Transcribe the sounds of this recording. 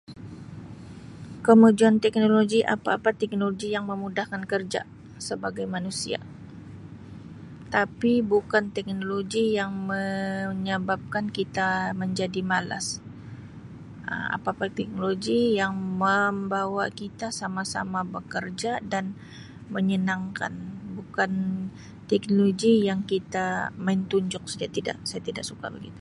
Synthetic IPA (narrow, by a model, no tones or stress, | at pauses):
kəmud͡ʒuant̪ɛk̚noloɡiʔa̰pa̰ːpat̪ɛk̚noloɡijaŋməmudahkankərd͡ʒa̰ | səbaɡajmanusia̰ | t̪apibukant̪ɛk̚noloɡijaŋməɲəbap̚kankit̪aməɲd͡ʒadimala̰s | ə̰ma̰papat̪ɛk̚noloɡijaŋməmbawakit̪asamasa̰mabəkərd͡ʒadan | məɲənaŋka̰nbukan | t̪ɛk̚noloɡijaŋkit̪amaɪnt̪uɲd͡ʒʊk̚sad͡ʒat̪ida̰ʔsajat̪idaʔsuka̰ba̰ɡḭt̪u